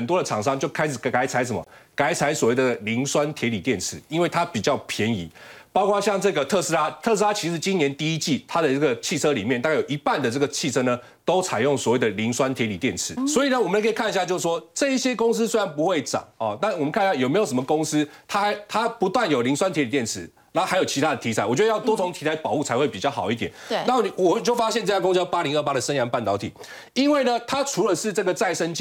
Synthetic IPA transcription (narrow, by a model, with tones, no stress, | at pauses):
ə˨nt̪wɔ˦˥də˨ʈ͡ʂʰɑ˨˩ŋʂɑ˥˦ŋt͡ɕjo˥˩ʊkʰa˥ɪʂɻ̩˨˩kka˧˥ɪt͡sʰa˧˦ɪs̬ə˨˦mə̰˨˩ka˧˥ɪt͡sʰa˧˦ɪswɔ˨˩we˥˩ɪd̪əə˩li˧˦ŋswa˦nt̪ʰjɛ˧˥li˨˩t̪jɛ˥˨nt͡sʰɻ̩˥˩˦i˥nwe˥˩ɪt̪ʰa˦˥pi˨˩t͡ɕjɑ˥˩ʊpʰjɛ˧˦ni˧˥˦pɑ˥ʊkʰɑ˥ɕjɑ˥˧ŋʈ͡ʂɤ˥˩ɡə˨t̪ʰɤ˥˩s̩˥la˥t̪ʰɤ˥˨s̬̩˥a˥t͡ɕʰi˧˥ʂɻ̩˨˩t͡ɕi˥njɛ˧˦nt̪i˥˧i˦t͡ɕi˥˩t̪ʰa˥d̪ə˨ə˥˩ɡə˩t͡ɕʰi˥˩t͡sʰɤ˦li˨˩mjɛ˥˩nt̪a˥˧kjo˨˩i˧˥pa˥˨nd̪ə˩ʈ͡ʂɤ˥˩ɡə˩t͡ɕʰi˥˩t͡sʰɤ˥nə˨ | t̪o˥ʊt͡sʰa˨˩ɪjʊ˥˩ŋswɔ˨˩we˥˩ɪd̪ə˩li˧˥ŋswa˦nt̪ʰjɛ˧˥li˨˩t̪jɛ˥˩nt͡sʰɻ̩˨˩swɔ˧˥i˨˩nə˩wɔ˨˩mə˦la˧kʰə˥˨kʰa˥˧ni˧ɕja˥˧t͡ɕo˥˧ʊs̩˥˩ʂwɔ˦˥ʈ͡ʂɤ˥˧i˥˩ɕjɛ˦˥kʊ˥ŋs̬̩˥swe˥ɪɻa˧npu˧xwe˥˩ɪʈ͡ʂɑ̰˨˩˦ŋɔ˥˨na˥˩wɔ˨˩mə˦nkʰa˥˧n˧˦ɕa˥˩jo˨˩me˧˥ɪo˨˩ʂ̬mə˧kʊ˥ŋs̩˥t̪ʰa˥xa˧˥ɪt̪ʰa˥pu˧˦t̪wa˥˨njo˨˩li˧˥ŋswa˥nt̪ʰjɛ˧˥li˨˩t̪jɛ˥˩nt͡sʰɻ̩˨˦ | na˧˥xa˧˥jo˨˩ʊt͡ɕʰi˧t̪ʰa˥d̪ə˨t̪ʰi˧˥t͡sʰa˧˦ɪwɔ˨˩t͡ɕɥɛ˧˥də˧jt̪wɔ˥t͡sʰo˧˥ŋt̪ʰi˧˥t͡sʰa˧˥ɪpɑ˨˩u˥˩t͡sʰa˧˥ɪxwe˥˩ɪpi˨˩t͡ɕɑ˥˩xɑ˨˩ʊi˥t̪̬jɛ˨˩n˩na˥˨wɔ˨˩t͡ɕjo˥˩ʊfa˥ɕɛ˥˧nʈ͡ʂɤ˥˧t͡ɕjkŋspa˦˥li˧˥ŋə˥˩pa˦˥ɾə˨sə˥nja˧˥npa˥˩nt̪ɑ˧˥ʊt̪ʰi˨˩˦ | i˥nwe˥˩ɪnə˩t̪ʰa˥ʈ͡ʂʰu˧˥lə˨ʂɻ̩˥˧ʈ͡ʂɤ˥˩ɡə˩t͡sa˥˩ɪʂə˥nt͡ɕ